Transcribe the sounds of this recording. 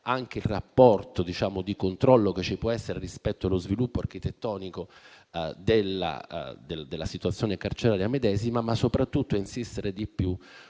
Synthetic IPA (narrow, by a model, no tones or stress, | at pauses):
aŋk̟eilrapːɔrt̪od̪it͡ʃaːmod̪ikont̪ɾɔlːoket͡ʃːipwɔɛsːeɾerispɛt̪ːoalozvilupːoark̟it̪et̪ːɔːniko | d̪elːa̰d̪eld̪elːasit̪uat̪sːjoːnekart͡ʃeɾaːɾjamed̪ɛːzimamasːopɾat̪ːut̪ːoainsist̪eɾed̪ipːju